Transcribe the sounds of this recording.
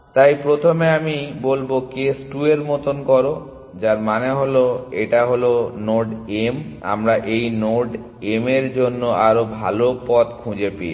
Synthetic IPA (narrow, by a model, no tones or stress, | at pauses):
t̪ajpɾot̪ʰomeamibolbokesʈueɾmot̪onkɔɾo | d͡ʑaɾmaneɦoloeʈaɦolonoɖema̰mɾaʔejnoɖ | emeɾd͡ʑonːoʔaɾobʱa̰lopɔt̪kʰũd͡ʑepḛ